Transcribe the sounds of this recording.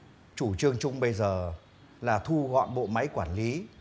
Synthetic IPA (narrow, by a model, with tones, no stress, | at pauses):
t͡ɕu˧˩t͡ɕɨ˧əŋt͡ɕʊ˧ŋ͡mɓə˧jzəː˨˩ | laː˨˩t̪ʰu˧ɣɔ̰˧˨nɓo̰˧˨ma˨˦jkwaː˧˩nli˨˦